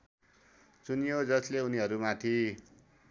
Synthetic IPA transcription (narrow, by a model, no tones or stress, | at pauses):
t͡sunijod͡zʌsleuniɦʌɾumat̪ʰi